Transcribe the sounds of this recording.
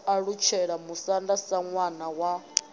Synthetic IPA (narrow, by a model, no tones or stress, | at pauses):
aɺut͡ʃʰɛɺamusandasaŋwanawa